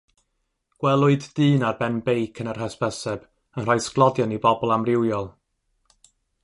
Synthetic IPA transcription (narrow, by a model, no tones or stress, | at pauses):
ɡ̥wɛlˠʊɨddɨːnarbɛnbejkʰənarɦɛspɛsɛb | ənr̥ajsklˠɔdjanibɔbɔlˠamrɪwjɔlˠ